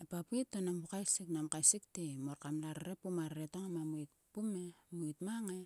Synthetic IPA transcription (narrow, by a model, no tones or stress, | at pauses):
epapuitːonampukajsiknamkajsik̚temoɾkamlaɾɾepumaɾɾetoŋamamuit̚ | pume̞muitmaŋe